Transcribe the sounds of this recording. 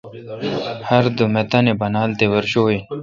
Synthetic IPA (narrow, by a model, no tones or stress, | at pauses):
hɐɾd̪umet̪anebɐnaːlt̪ewɐɾɕoːi